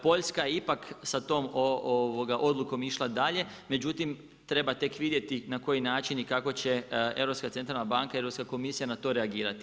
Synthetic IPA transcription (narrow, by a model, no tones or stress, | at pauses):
po̞ʎskajeipaksat̪o̞ːmooʋoɡaʔo̞d̪luko̞miʃlˠad̪aʎe̞ | me̞d͡ʑut̪im | t̪ɾe̞bat̪e̞kʋid̪je̞t̪inako̞jinaːt͡ʃinikako̞t͡ɕe̞e̞ʋɾopskat̪ent̪ɾalnabaŋkaie̞ɾopskako̞misijanat̪o̞ːɾeaɡiːɾat̪i̥